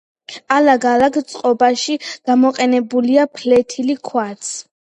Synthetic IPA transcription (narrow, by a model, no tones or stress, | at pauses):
alaɡalaɡt̪sʼqʼɔbaʃiɡ̥amɔqʼɛnɛbuliapʰlɛt̪ʰilikʰwat̪sʰ